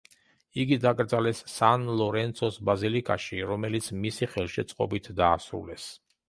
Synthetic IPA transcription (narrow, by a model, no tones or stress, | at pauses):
iɡid̪akʼɾd̪zalɛsːanlˠɔɾɛnt̪sʰɔsbazilikʼaʃiɾɔmɛlit̪sʰmisiχɛlˠʃɛt̪sʼqʼɔbit̪ʰd̪aːsɾṵlɛs